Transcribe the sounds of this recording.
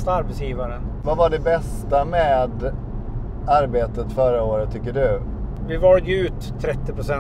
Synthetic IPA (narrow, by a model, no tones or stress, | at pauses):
st̪aaɾbɛt̪sjiːvaɾənvavaɖɛbɛst̪amɛːd̪ | aɾbeːt̪ət̪fœɾaoːɾət̪ʰːʏkːəɖɵ | vɪvɑɾd̪əʉ̟ːt̪ʰːɾɛt̪ːɪpɾʊsɛ